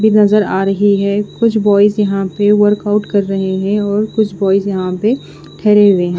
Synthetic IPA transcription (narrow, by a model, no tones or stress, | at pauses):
bʱinɐzəɾaːɾɐɦiɦɛːkʊt͡ʃʰbɔːɪsjɐɦãpeʋəɾkaʊʈkɐɾːɐɦeɦɛ̃ɔːɾkʊt͡ʃʰbɔːɪzjɐɦãpe | ʈʰɛːɾeɦʊeɦɛ̃